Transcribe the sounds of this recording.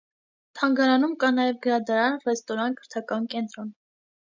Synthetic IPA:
t̪ʰɑŋɡɑɾɑnumkɑnɑjɛvɡəɾɑd̪ɑɾɑnrɛst̪ɔɾɑnkʰəɾt̪ʰɑkɑnkɛnt̪ɾɔn

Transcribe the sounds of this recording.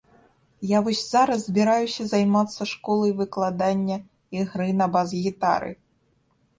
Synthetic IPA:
javɔsʲz̥aɾɐzzbʲiɾajusʲɐzajmat̪sːɐʂkɔlˠɐjvɨklˠad̪anʲːɐ | iɣɾɨnɐbazɣʲit̪a̰ɾɨ̰

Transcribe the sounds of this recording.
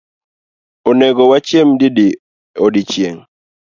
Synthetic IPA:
onɛɡɔwat͡ʃjemdidi | odit͡ʃjeŋ

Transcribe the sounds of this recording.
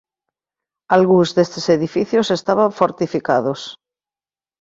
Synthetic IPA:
alɣuzðest̪eseðifiθjosest̪aβaɱfoɾt̪ifikaðos

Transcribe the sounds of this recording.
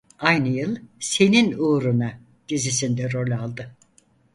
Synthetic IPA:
ajnɯjɯlˠse̞ninuːɾuna | ɟ̥izisind̪ɛɾo̞lʲalˠd̪ɯ

